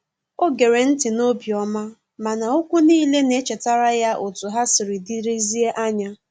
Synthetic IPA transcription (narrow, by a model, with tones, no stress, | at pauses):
o˦ɡe˨ɾe˨n̩˦tɪ˨no˦bi˨ɔ˦ma˦ | ma˨na˨ʊ˦kʷʊ˦niː˦le˦ne˦t͡ʃe˨ta˦ɾa˦ja˦ʔo˨tʊ˨ɦa˦sɪ˨ɾɪ˨di˦ɾi˦zi˦e˦ʔa˦ɲa˦